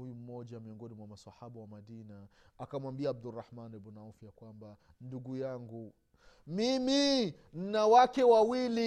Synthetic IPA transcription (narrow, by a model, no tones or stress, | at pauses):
ujum̩mɔʄamiɔŋɡɔnimwamaswahaɓawamaɗinaː | kamwambiaːb̚durahmanɛɓɔnaufijakwamba | nduɡujaŋɡu | mimi | n̩nawakɛwawili